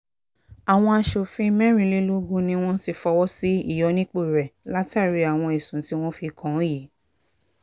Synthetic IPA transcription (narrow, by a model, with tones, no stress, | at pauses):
a˨w̃ɔ̃˧a˧ʃo˨fĩ˧mɛ̃˦ɾ̃ĩ˧˦le˦lo˦ɡũ˧nĩ˧w̃ɔ̃˦ti˧fɔ˧wɔ˦si˦ḭ˦˨jɔ˧˦nĩ˦k͡po˦˨ɾɛ˨la˦tɛ˦˨ɾi˨˦a˨w̃ɔ̃˧i˨sũ˨ti˦w̃ɔ̃˦fi˧kʰɔ̃˨˦ji˨˦